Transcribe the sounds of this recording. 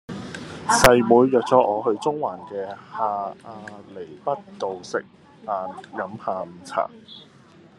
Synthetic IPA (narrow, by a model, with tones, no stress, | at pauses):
sɐ˨jmuː˨˧jːœː˨k̚t͡sɔː˨˥ʔɔː˨˧hɵ˧ɥt͡sʊ˥ŋwaː˨˩nkɛː˧haː˨aː˧le˨˩jpɐ˥t̚t̪o˨wsɪ̰˨k̚ | aː˧njɐ˨˥mhaː˨˧m̩˨˩t͡sʰa̰ː˨˩ŋ